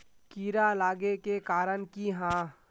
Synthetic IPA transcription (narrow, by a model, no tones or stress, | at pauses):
kiːɾalaːɡekekaːɾənkiɦãː